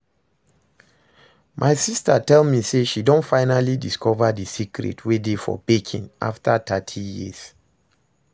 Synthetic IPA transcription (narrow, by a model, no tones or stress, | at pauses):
mʔaɪsistatɛlmiseʃidõntfaɪnalidiskʰɔvadisikɹɛ̰tʰwedefɔ̰bekʰḭ̃na̰ftʰatʰatʰijḭz̥